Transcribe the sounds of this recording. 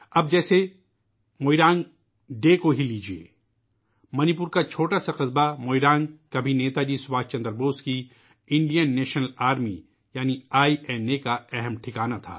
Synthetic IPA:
ɐb̚d͡ʒɛːse | moːiɾãːŋɡ | ɖeːkoɦiliːd͡ʒiḛː | mɐnip̬ʊɾkat͡ʃʰoːʈasaqɪzbamoːiɾãːŋɡkabʱineːt̪ad͡ʒiːsʊwaːt͡ʃɐ̃nd̪əɾboːski | ɪ̃ɳɖijənːɛːʃnəlaːɾmi | jaːniaːiʔɛnekaɛɦɛmʈʰɪkaːnat̪ʰa̰ː

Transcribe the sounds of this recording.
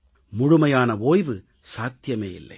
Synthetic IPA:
mʊɻʊmɐjaːnɐʋoːjʋɯ | saːt̪jɐmeːɪ̰lːɐ̰ɪ

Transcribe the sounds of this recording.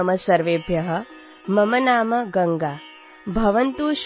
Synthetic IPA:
mɐsɐɾʋeːbʱjɐɦɐ̆ | mɐmɐnaːmɐɡɐŋɡaː | bʱɐʋɐnt̪uːʃ

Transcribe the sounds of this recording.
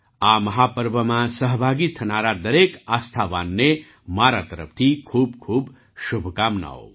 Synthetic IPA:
aːmɐɦaːpəɾʋəmãsəɦbʱaːɡit̪ʰɐnaːɾad̪ɐɾeːkaːst̪ʰaʋa̰ːnːe | maːɾat̪ɐɾə̰p̚ʰt̪ʰikʰuːbkʰuːb | ʃubʱkaːmna̰ːo̰

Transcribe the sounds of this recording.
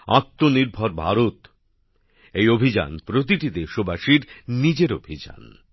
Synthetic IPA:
at̪ːoniɾbʱɔɾbʱa̰ɾot̪ | ejobʱid͡ʑa̰npɾot̪̬iʈid̪eʃobaʃiɾnid͡ʑeɾobʱid͡ʑa̰n

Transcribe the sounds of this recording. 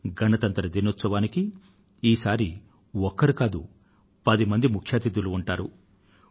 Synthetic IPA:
ɡʱɐnɐt̪ɐnt̪ɐɾɐd̪inot̪sɐʋaːniki | iːsaːɾi | ɔkːɐɾikaːd̪u | pɐd̪imɐnd̪imukʰjaːt̪id̪uluːɳʈaːɾu

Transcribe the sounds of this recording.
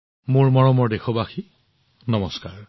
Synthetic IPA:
mʊɹmɔɹɔmɔɹdexɔbaxi | nɔmɔskaɹ

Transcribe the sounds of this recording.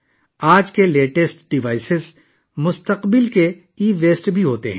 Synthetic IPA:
aːd͡ʒkeleːʈesʈɖɪʋaːɪsɪz | mʊst̪əqbɪlke | iːʋeːsʈbʱiɦoːt̪ḛɦɛ̃ː

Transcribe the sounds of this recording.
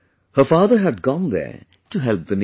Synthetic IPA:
hə˞faːðə˞ɦæd̚ɡɔ̃nðə̰˞ | tuɦɛlp̚ðən

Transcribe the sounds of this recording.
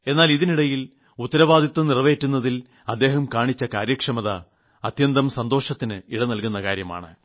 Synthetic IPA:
e̞nːaːliðiniɽɐjil | ut̪ːɐɾɐʋaːd̪ʱit̪ːɐnirʋe̞ːtːunːɐðil | ɐd̪ːe̞ːɦɐmkaːɳit͡ɕːɐkaːɾjɐkʂɐmɐðɐ | ɐt̪jɐnd̪ɐmsɐnd̪o̞ːʂɐt̪ːinɨiɽɐnɐlkunːɐkaːɾjɐma̰ːɳɨ̰

